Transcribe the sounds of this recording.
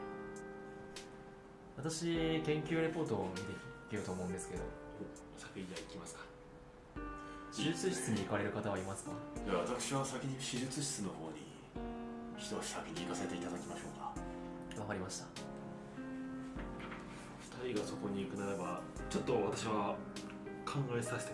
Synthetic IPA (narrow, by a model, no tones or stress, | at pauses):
βat̪aɕikẽ̞ŋkʲɨːɾe̞po̞ːt̪o̞mʲit̪e̞ikʲiɾɯ̟t̪oːmo̞ɯ̟̃nd̪e̞sɨ̥ke̞d̪o̞̰oː | sḁkɯ̟id̪aikʲimasɨ̥kḁ | ɕiʑɨt͡sɨɕi̥t͡sɨɲ̟iːkaɾe̞ɾɯ̟kat̪aβaimasɨ̥kajaβat̪akɯ̟̥ɕiβasakʲiɲ̟iɕiʑɨt͡sɨɕi̥t͡sɨno̞ho̞ːɲ̟ḭ | çi̥t̪oɕi̥sakʲiɲʲiːkaset̪e̞it̪ad̪akʲimaɕo̞ːka | ɡakaɾʲimaɕi̥t̪ḁ | ɸɯ̟̥t̪aɾʲiɡaso̞ko̞ɲ̟iːkɯ̟naɾaba | t͡ɕo̞t̪ːo̞βat̪aɕiβa | kʰãŋɡaesaɕe̥t̪e